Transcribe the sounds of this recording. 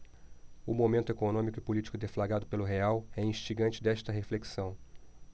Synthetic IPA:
ʊmomẽnt̪ʊekonõmikʊɪpolit͡ʃi̥kʊd̪eflaɡad̪ʊpelʊɦeawɛĩʃt͡ʃiɡɐ̃nt͡ʃɪd̪ɛʃt̪ɐɦefleksɐ̃w̃

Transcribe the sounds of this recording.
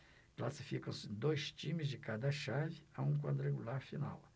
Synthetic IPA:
klasi̥fikɐ̃w̃sɪd̪ojst͡ʃĩmɪzd͡ʒɪkad̪ɐʃavɪaũk̬wad̪ʊɾeɡulaɾfina̰w

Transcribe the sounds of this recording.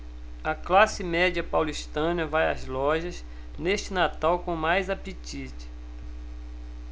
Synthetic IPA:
ɐklasɪmɛd͡ʒiɐpawliʃt̪ɐ̃nɐvajɐ̰zlɔʒɐz | neʃt͡ʃɪnat̪awkõmajzapit͡ʃit͡ʃɪ̥

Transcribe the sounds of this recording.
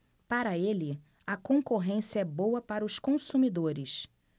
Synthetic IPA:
paɾɐelɪ | ɐkõkoɦẽsiɐɛbowɐpaɾɐʊskõsumid̪oɾɪs

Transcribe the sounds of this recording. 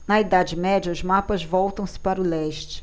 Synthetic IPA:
nɐid̪ad͡ʒɪmɛd͡ʒɐʊzmapɐzvɔwt̪ɐ̃w̃sɪ̥paɾʊlɛʃt͡ʃɪ̥

